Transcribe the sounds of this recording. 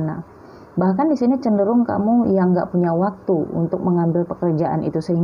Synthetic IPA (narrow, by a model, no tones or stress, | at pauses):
na̰ | bahkandisinit͡ʃəndəɾʊŋka̰mujaŋɡa̰ʔpuɲawak̚t̪uṵnt̪ʊk̚məŋambɪlpəkərd͡ʒaʔa̰nʔḭt̪usəɦiŋ